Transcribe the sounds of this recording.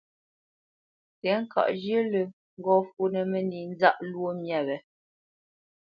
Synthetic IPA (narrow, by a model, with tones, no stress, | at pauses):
tɛ˨˦ŋ̩˦˨ka̰˨ʔd͡ʒjə˦lə˨ | ŋ̩˦ɡɔ˦fu˦nə˨mɛ˨ni˨n˦za˦˨ʔlwo˦mjɛ˦˨bɛ˨